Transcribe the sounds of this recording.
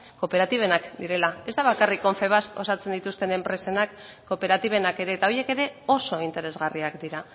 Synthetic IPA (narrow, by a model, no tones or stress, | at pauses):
ko̞pe̞ɾat̪iβ̞e̞nakd̪iɾe̞lae̞zt̪aβakariko̞ɱfe̞βaso̞sat͡se̞nd̪it̪ust̪e̞ne̞mpɾe̞se̞nakː | o̞pe̞ɾat̪iβ̞e̞nake̞ɾe̞ːt̪ao̞je̞ke̞ɾe̞o̞so̞int̪e̞ɾe̞zɣariakd̪iɾa